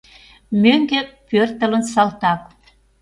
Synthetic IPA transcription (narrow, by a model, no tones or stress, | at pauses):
møŋɡĕpørt̪ə̆lə̆nsɑlt̪ɑk